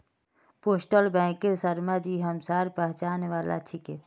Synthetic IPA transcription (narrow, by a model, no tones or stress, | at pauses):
poːsʈəlbɛ̃ːkeɾsəɾmad̪iɦɐmsaːɾpəɦt͡ʃaːneʋaːla̰t͡ʃʰike